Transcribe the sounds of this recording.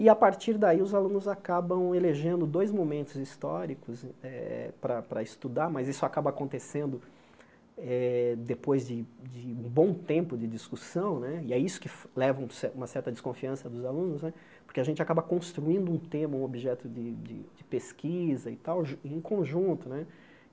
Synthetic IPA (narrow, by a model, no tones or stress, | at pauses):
ɪapaɾt͡ʃiɾd̪aiʊzalũnʊzakabɐ̃w̃eleʒẽnd̪ʊd̪ojzmomẽnt̪ʊzist̪ɔɾikʊzɛpɾɐpɾɐɪst̪ud̪aɾmɐzisʊakabɐaːkõnt̪esẽnd̪ʊ | ɛd̪epojzd͡ʒɪd͡ʒɪũbõw̃t̪ẽmpʊd͡ʒɪd͡ʒiskusɐ̃w̃nɛɪɛisʊ̥kɪflɛvɐũsɛũmɐsɛɾt̪ɐd̪d͡ʒiskõfiɐ̃sɐd̪ʊzalũnʊznɛ | poɾkɪaʒẽnt͡ʃɪakabɐkõst̪ɾuĩnd̪ʊũt̪ẽmɐũobiʒɛt̪ʊd͡ʒɪd͡ʒɪ̰d͡ʒɪpeskʰizɐḭt̪awʒẽj̃kʰõʒũnt̪ʊnɛ